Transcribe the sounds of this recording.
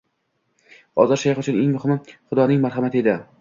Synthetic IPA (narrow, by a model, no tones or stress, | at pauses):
ɒ̰zaɾʃajχʊt͡ʃʰʊneŋmʊhɪmɪχʊd̪ɒnɪŋmaɾhamat̪ʰɪed̪ɪ